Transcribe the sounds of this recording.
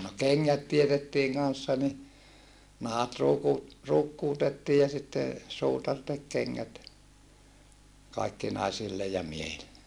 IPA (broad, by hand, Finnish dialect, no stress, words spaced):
no keŋːæt tietetːiːŋ kɑnsːɑ ni nɑhɑt ruːku ruːkːuːtetːiː jɑ sitːe suːtɑr tek keŋːæt kɑikːi nɑisilːe jɑ miehilːe